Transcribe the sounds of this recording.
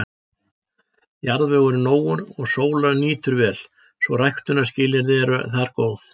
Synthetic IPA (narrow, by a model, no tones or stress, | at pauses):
jaɾðvɛːɣʏɾnoːwʏɾɔɣsoːwlaðniːt̪ʏɾvɛːl | svɔrajxt̪ʏnḁscɪːljɪɾðɪɾ̰θaɾkoːwθ